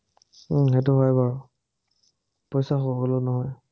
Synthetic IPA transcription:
ɦetʊɦɔjbaɹ | pɔjsaxobolonɔɦɔj

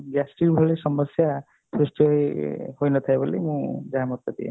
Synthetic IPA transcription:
ɡasʈiɾbʱɔɭesɔmɔsja | sɾusʈʰjɔehojnɔt̪ʰajbɔlemũd͡ʒaɦamɔt̪ɔd̪ḭḛ

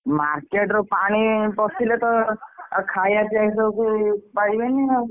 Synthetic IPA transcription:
maɾkeʈɾɔpaɽ̃ipɔsilet̪ɔ | kʰajat͡ʃajsɔkupaibenia

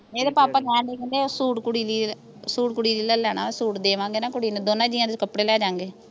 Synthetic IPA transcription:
eːd̪epaːpaːkɛ̃ːnd̪eːkənd̪eːosuːʈkʊɽiːliː | suːʈ̚kʊɽiːliːlalɛːna̰ːsuːʈd̪eːʋãːŋɡeːnãːkʊɽiːned̪oːnãːd͡ʒiːãːd̪ekəpːɽeːlɛːd͡ʒãːŋɡeː

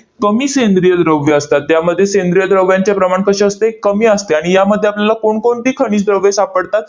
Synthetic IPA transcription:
kəmiːsend̪ɾijəd̪ɾəʋjeəst̪at̪ːjaməd̪ʱːjesend̪ɾijəd̪ɾəʋjãɲt͡ɕepɾəmaɳkəɕəəst̪eekːəmiːəst̪eaɽ̃ijaməd̪ʱːjeapljalakoɳkoɳt̪iːkʰəɽ̃iːsd̪ɾəʋesapəɽt̪at̪

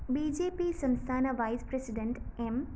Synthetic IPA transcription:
biːd͡ʒeːpiːsə̃nst̪ʰaːnaʋaɪspɾesiɖeɳʈem

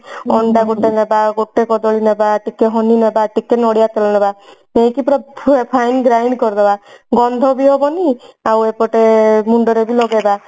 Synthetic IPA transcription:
ɔɳɖaɡoʈenebaɡoʈekɔd̪ɔɭinebaʈikeɦɔninebaʈikenɔɽijat̪ɔlɔnebamejkipɾɔepʰajnɡɾajɳɖkɔɾd̪ebaɡɔnd̪ʱɔbiɦɔbɔniawepɔʈemuɳɖɔɾebilɔɡeba

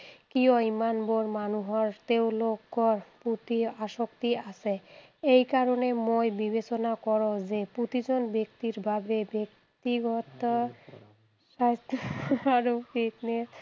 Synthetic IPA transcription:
kioimanboɾmanuɦɔɾt̪ewloɡːɔɾput̪iaʃokt̪iasʰe | ejkaɾonemojbibet͡ɕonakɔɾod͡ʑeput̪id͡ʑonbek̚t̪iɾbʱabebek̚ | t̪iɡɔt̪o | ʃat̪aɾufitnes

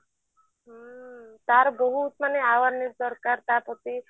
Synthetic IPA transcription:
ɦət̪aɾbɔɦut̪maneaʋaɾniɾd̪ɔɾkaɾt̪apɔt̪i

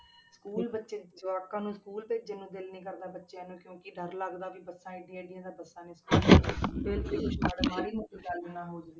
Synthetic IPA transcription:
skuːlbətːʃeːd͡ʒaːkãːnũːsəkuːlpɪt͡ʃd͡ʒɪnũːd̪ɪlnĩːkəɾd̪aːbətːʃeːɛːnũːkjõːkɪɖəɾləɡd̪aːʋiːbəsãːeɖɪːeːɖɪjãːd̪aːbəsãːnĩːskuːlːbeːlkɪaːɖaːmaːɾiːmət̪iːd̪aːlːnãːɦoːd͡ʒd̪i

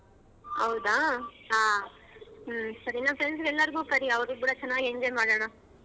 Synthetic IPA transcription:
hɐwʊd̪aːaː | sɐɾinːãfɾens̬ɡɛlːɐɾɡuːkɐɾiɐʋɐɾukuːɽɐt͡ʃɛnːaːɡeɲd͡ʒɔːjmaːɽaːɽa

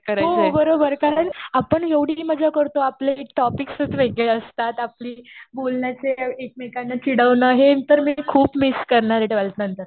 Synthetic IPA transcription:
kəɾaɦobəɾobəɾkaɾəɳapəɳɦeʋɽ̤iliməd͡ʑʱakəɾt̪oaplekʈɔpiksət͡s̪ʋeɡleəst̪at̪apliːbolnjat͡seekmekanːət͡ɕiɽəʋnəɦet̪əɾmikʰuːpmiskəɾɳaɾeʈeʋalt̪nənt̪əɾ

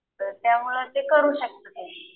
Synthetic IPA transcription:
t̪əɾt̪jamuɭət̪ekəɾuːɕək̚t̪ət̪e

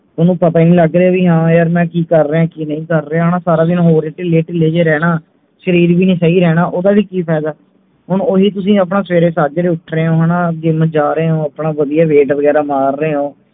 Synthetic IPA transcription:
t̪ʊnũːpət̪aːinĩːləɡɾeaːʋiːɦãːjəɾmɛ̃ːkiːkəɾːeːãːkiːnəĩːkəɾːeːaːnãːsaːɾaːd̪ɪnɦoːɾeːʈileːʈileːd͡ʒeːɾɛːɽaː | ʃəɾiːɾbiːnẽːsaiːɾɛːnaːʔoːd̪aːʋiːkiːpʰɛːd̪aː | ɦʊɳoːɦiːt̪ʊs̬ĩːaːpɳãːsʋeːɾeːsaːd͡ʒɾeːʊʈʰɾeːõːɦanãːd͡ʒɪməd͡ʒaːɾeeːõːapɳaːʋəd̪ijaːʋeːʈʋəɡɛːɾaːmaːɾːeːɦõː

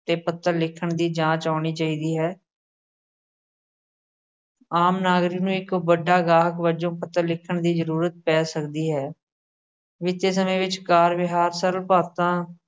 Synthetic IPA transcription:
t̪eːpət̪ːəɾlɪkʰːəɳd̪iːd͡ʒãːt͡ʃaːɳiːt͡ʃaːiːd̪iːɦɛː | aːmnaːɡɾiːnũːɪkbəɖaːɡaːɦəkʋəd͡ʒõːpət̪ːəɾlɪkʰːəɳd̪iːzəɾuːɾət̪̚pɛːsəkd̪iːɦɛː | ʋɪt̪eːs̬əmẽːʋɪt͡ʃkaːɾʋɪɦaːɾsəɾəlpaːt̪ãː

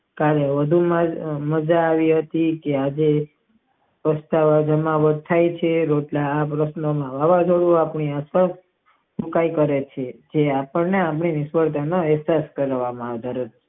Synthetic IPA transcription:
kaɾəʋəd̪ʱumaməd͡ʒaːʋiɦət̪ikead͡ʒe | pəst̪aʋad͡ʒəmaʋəɾt̪ʰajt͡ʃʰeɾoʈlaːpɾəʃnomãʋaʋãd͡ʒ̪ʰʱoɽuapɳiaspas | pukaikəɾet͡ʃʰed͡ʒeapəɳneapɳinɪʃʋəɾt̪ʰənoɛɦsaskəɾʋamãaʋd̪ʱaɾot͡ʃ

